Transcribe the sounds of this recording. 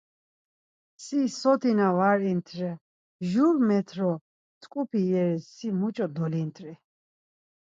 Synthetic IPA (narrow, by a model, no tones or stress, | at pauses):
sisɔt̪ʰinavaɾint̪ʰɾɛ | ʒuɾmɛt̪ʰɾɔ | t̪ʰʼkʼupʰijɛɾɛsimut͡ʃʼɔd̪ɔlint̪ʰʼɾɛ